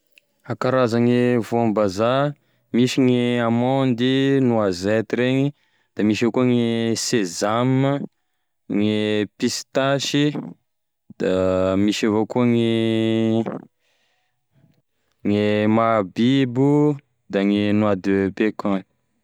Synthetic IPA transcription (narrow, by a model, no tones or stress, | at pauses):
akaɾazaŋevoambaza | miʃiŋeamɔ̃nd̪inuazɛt̪iɾeɲi | d̪̥amiʃakuaŋesezamə | ŋepist̪aʃi | d̪̥amiʃavokuaŋe | ŋemabibu | d̪aŋenwad̪pekani̥